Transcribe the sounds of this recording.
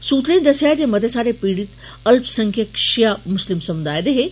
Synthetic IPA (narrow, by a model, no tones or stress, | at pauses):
suːt̪ɾĩd̪ɐʃjad͡ʑeːmɐd̪ʱesaːɾepiːɽit̪ | ɐlpsɐ̃ŋkʰəkʃijamʊslɪmsɐmʊd̪aːed̪eɦe